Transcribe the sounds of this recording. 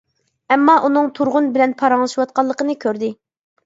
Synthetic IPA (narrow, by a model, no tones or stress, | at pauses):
ɛmːɑʔunɨŋt̪ʰuɾʁʊnbɪlɛnpʰɑɾɑŋlˠɨʃiwɑt̪̚qɑlˠːəqənɨkʲʰøɾd̪ɪ